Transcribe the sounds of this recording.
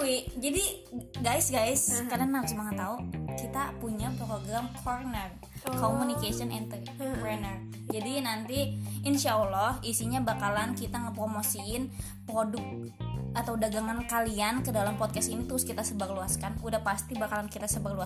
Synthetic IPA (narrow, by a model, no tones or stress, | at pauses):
wid͡ʒadiɡajsɡajskadaŋnausəmaŋat̪aukit̪apuɲapɾoɡɾamkʰɔrnər | komunikasiɔnɛnt̪ə | pɾɛnər | d͡ʒadinant̪iinʃaəlɔhisiɲabakalankit̪aŋəpɾomosiɪn | pɾodʊk̚ | at̪awdaɡaŋankaliankədalampɔd̚kasinit̪əɾʊskit̪asəbaɡluaskanudahpast̪ibakalankit̪asəbaɡ̚lua